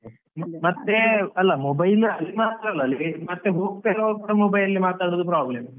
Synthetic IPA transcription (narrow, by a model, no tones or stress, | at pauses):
mɐt̪ːeɐlːɐmobɐjlɐlːimaːt̪ːaɾɐlːɐɐlːimɐt̪ːebuːkpeɾoːkuːɽɐmobɐjɐlːimaːt̪ːaːɽɐd̪up̬ɾaːblem